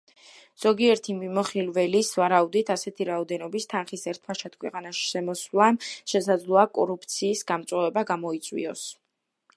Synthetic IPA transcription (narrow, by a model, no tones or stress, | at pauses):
z̥ɔɡiɛɾt̪ʰimimɔχilvɛlisvaɾaud̪it̪ʰasɛt̪ʰiɾaɔd̪ɛnɔbist̪ʰanχisɛɾt̪ʰpaʃʰat̪̚ʰkʰwɛqʼanaʃi̥ʃɛmɔswlˠamʃɛsad̪zlˠɔakʼɔɾup̚ʰt̪sʰiːsɡamt̪sʼwɛvɛbaɡamɔit̪sʼwḭɔs